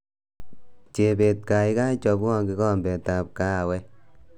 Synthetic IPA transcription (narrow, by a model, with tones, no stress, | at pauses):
t͡ʃe˨be˨tka˨i˦ka˦i˦t͡ʃɔ˨bɔ˦ŋɡi˦ɣɔ˦mbɛ˨ta˨p̚ka˦˨wɛ˦